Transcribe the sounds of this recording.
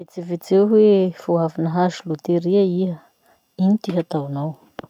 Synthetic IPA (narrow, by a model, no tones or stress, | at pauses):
it͡sivit͡seɦwefuɦavinəɦazulut̪eɾiəiɦə | init̪iɦat̪awnaw